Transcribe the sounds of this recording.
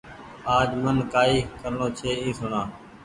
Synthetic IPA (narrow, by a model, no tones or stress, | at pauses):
aːd͡ʒmənkaːiːkəɾɳõːt͡ʃʰeːĩːsʊɳãː